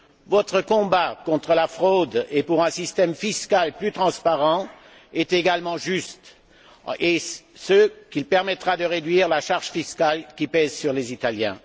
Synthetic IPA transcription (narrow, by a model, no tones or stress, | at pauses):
vɔt̪χəkɔ̃bakɔ̃t̪χəlafχod̪epuʁɛ̃sist̪ɛmfiskalplyt̪χɑ̃spaʁɑ̃ | ɛt̪eɡalmɑ̃ʒyst̪ | esəkʲilpɛʁmɛt̪χad̪əʁed̪ɥiːʁlaʃaʁʒfiskalkʲipɛzsyʁlezit̪aljɛ̃